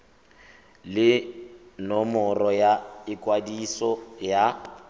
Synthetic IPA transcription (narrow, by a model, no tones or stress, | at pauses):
lɪnɔmɔrɔjaɪkʼwadisɔja